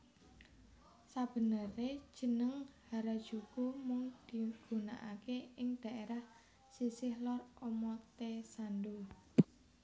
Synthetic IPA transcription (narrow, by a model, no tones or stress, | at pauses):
sab̥ə̤nəre̥ʒ̥ə̤nəŋhaɾad̥ʒ̥ukumʊŋd̪̥i̤ɡ̥ṳna̰ʔakeɪŋd̪̥ä̤ʔeɾah | sisɪhlɔromɔt̪esando